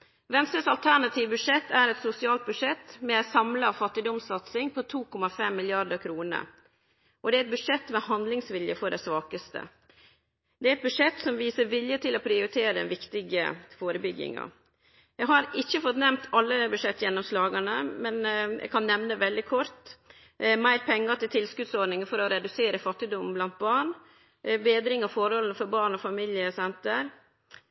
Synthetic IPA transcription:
ʋɛnst̪ɾəsɑlt̪ʰæɳɑt̪ʰiːʋbʉʂɛt̪ʰːæɾɛt̪sʊsɪɑːlt̪̚bʉʂɛt̪ːmɛɛsɑmlɑfɑt̪ːɪd̪ɔmsɑt̪sɪŋpʰɔt̪ʰuːkʰɔmɑfɛmːɪljɑɾd̪əkʰɾuːnə̰ | ʔɔd̪ɛæɾɛt̪̚bʉʂɛt̪mɛhɑnd̪lɪŋsʋɪljəfɔɖæɪsʋɑːkəst̪ə̰ | d̪ɛæɾɛt̪̚bʉʂɛt̪sɔmʋiːsəɾʋɪljət̪ʰɪloːpʰɾɪʊɾɪt̪ʰeːɾəd̪ɛ̰nʋɪkt̪ɪɡə̰foːɾəbʏɡːɪ̰ŋɑ̰ | jæɡɦɑɾɪçːəfɔt̪nɛmt̪ʰɑlːəbʉʂɛt̪ːjɛnːɔmslɑːɡənəmɛnjæ̰ɡkʰɑnːɛʋnəʋɛld̪ɪkʰɔɾt̪ | mæɪɾpʰɛŋːət̪ɪlt̪ʰɪlskʉd̪sɔɖɳɪŋəfɔɾɔɾɛd̪ʉseːɾəfɑt̪ːɪd̪ʊmːn̩blɑnt̪̚bɑːɳ | beːd̪ɾɪŋɑfɔɾhɔln̩fɔɾbɑːɳɔfɑmɪljəsɛnt̪əɾ

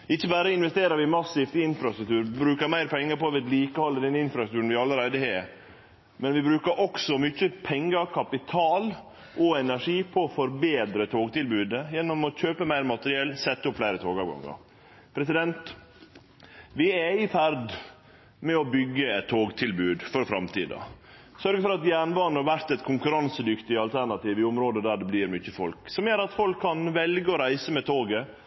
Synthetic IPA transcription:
ɪçːəbæːɾəɪnʋɛst̪eːɾəɾʋɪmɑsːɪft̪ɪnfɾɑst̪ɾʉkt̪ʉːɾʋɪbɾʉːkəɾmæɪɾpʰɛŋːəɾpɔʋɛːd̪liːkəhɑlːəd̪ɛnɪnfɾɑt̪ʉːɾən̩ʋɪɑlːəɾæɪd̪əheː | mɛnʋɪbɾʉːkəɾʔɔksɔmʏçːəpʰɛŋːəɾkʰɑpɪt̪ʰɑːl | ʔɔɛnæʂiːpʰɔːfɔɾbeːd̪ɾət̪ʰoːɡt̪ɪlbʉːd̪əjɛnːɔmɔçøːpəmæɪɾmɑt̪əɾɪɛlːsɛt̪ːəʊpflæɪɾət̪ʰoːɡɑʋɡɑ̰ŋːɑ̰ɾ | pʰɾɛsɪd̪ɛnt̪ | ʋɪɛɪfæɾd̪ | mɛɔbʏɡːəɛt̪ʰːoːɡt̪ʰɪlbʉːd̪fɔɾfɾɑmt̪iːd̪ɑ̰ | sœɾɡəfɔɾɑt̪jæːɳʋɑːɳəɑʋæɾt̪ɛt̪kʰʊŋkʉɾɑnsəd̪ʏkt̪ɪɑlt̪ʰæɳɑt̪iːʋɪʊmɾoːd̪əd̪æɖɛbliːɾmʏçəfɔlksɔmjøːɾɑt̪fɔlkʰːɑnʋɛlɡəɔɾæɪsəmɛt̪ʰoːɡə

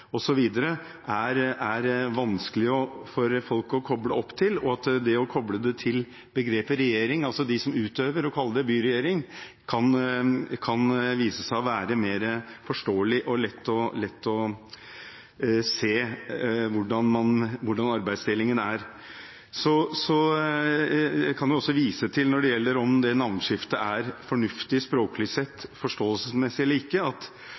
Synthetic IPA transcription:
ɔsɔʋiːd̪əɾə | ʔæɾæɾʋɑnskəlɪɔfɔɾfɔlkɔkʰɔbləɔpːt̪ʰɪlɔɑt̪d̪ɛɔkʰɔbləd̪ɛt̪ʰɪl | bəɡɾeːpəɾɛjeːɾɪŋɑlsɔd̪ɪsɔmʉːt̪øːʋəɾɔkʰɑlːəd̪ɛbyːɾɛjeːɾɪŋ | kʰɑnkʰɑnʋiːsəsæɪɔʋæːɾəmeːɾəfɔʂʈoːəlɪʔɔlɛt̪ːɔlɛt̪ːɔ | seː | ʋʊɖɑnmɑnʋʊɖɑnɑɾbæɪst̪ɪlːɪŋənæɾ | sɔsɔ | ɛkʰɑnjʊɔsːɔʋiːsət̪ʰɪlnɔɖɛjɛlːəɾɔmd̪ɛnɑʋnʂɪft̪əʔæɾfɔɳʉft̪ɪspɾoːkəlɪsɛt̪ːfɔʂʈoːəlsəsmɛsɪɛlːəɾɪkːəɑt̪

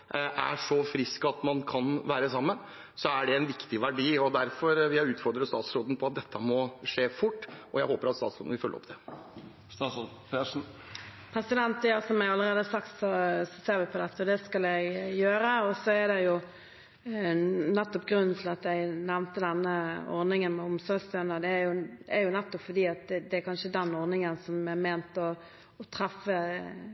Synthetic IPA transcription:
ʔʔæ̰ʂɔfɾɪskɑt̪mɑnkʰɑnʋæːɾəsɑmːən | sɔæɖɛɛɪnʋɪkt̪ɪʋæɖiːɔd̪æɾfɔɾʋɪhæʉːt̪fɔɾd̪ɾəst̪ɑːt̪sɾoːd̪n̩pʰɔɑt̪̚d̪ɛt̪ʰːəmɔʂeːfʊʈːʔɔjæɪhoːpəɾɑt̪st̪ɑːt̪sɾo̰d̪n̩ʋɪlfœlːə̰ɾɔ̰p̚d̪ɛ | sɑs | pʰeʂn̩ | pʰɾɛsɪd̪ɛnt̪əjɑsɔmæɑləɾeːd̪əsɑkt̪sɔsɔseːɾʋɪpʰɔd̪ɛt̪ːəɔd̪ɛskɑlɛɡjøːɾəɔsɔæɾd̪ɛjʊ | nɛt̪ːɔpɡɾʉnːnt̪ʰɪlɑt̪jæɡnɛʋnt̪əd̪ɛnːəɔ̰ɾd̪ɪŋənmɛʊmsɔɾɡst̪øːnəd̪ɛːɾjʊæɾjʊnɛt̪ːɔpfɔd̪iːɑt̪̚ɛd̪ɛæɾkʰɑnʂəd̪ɛnːɔɾnɪŋənsɔmɛmeːnt̪ɔː | t̪ʰɾɛfːə

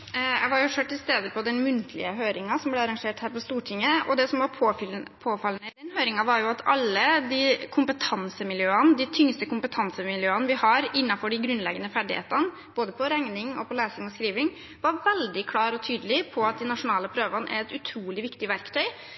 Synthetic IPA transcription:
jæ̰ɪʋɑɾjʊʂøːʈːɪst̪eːd̪əpʰɔd̪ɛnmʉnt̪ʰəlɪ̰əɦøːɾɪŋɑsɔmblɛɑɾɑŋʂeːʈhæːɾpɔst̪uːʈʰɪŋːəɔd̪ɛsɔmʋɑpʰpʰoːfɑlnəd̪ɛnhøːɾɪŋɑʋɑɾjʊɑt̪ʰɑ̰lːəd̪ikʰʊmpət̪ʰɑnsəmɪljøːənəd̪ɪt̪ʰʏŋst̪əkʊmpət̪ʰɑnsəmɪljøːənəʋɪhɑɾɪnːɑfɔɖɪɡɾʉnlɛɡənəfæɖɪ̰hḛːt̪ən | b̥oːd̪əpʰɔɾɛŋnɪŋɔ̰pʰɔleːsɪŋɔskɾiːʋɪŋ | ʋɑɾʋɛld̪ɪkʰlɑːɾɔt̪ʰyːd̪əlɪpʰɔɑt̪̚d̪ɪnɑʂʊnɑːləpʰɾøːʋɑnʔæ̰ɾɛt̪ʉt̪ʰɾuːlɪʋɪkt̪ɪʋæɾkt̪ʰœʏ

